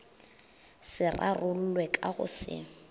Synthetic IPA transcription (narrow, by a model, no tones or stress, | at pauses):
sɪrʔarʊl̩lwɛkʼaɣʊ̰sɪ̰